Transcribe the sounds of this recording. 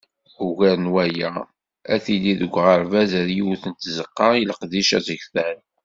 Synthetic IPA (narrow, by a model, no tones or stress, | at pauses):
uʝæɾnwæjæ | æθilːiðəɡʷːʁəɾvæzæɾjuwθənt̪zəqːɑiləqðiʃæzəçθæn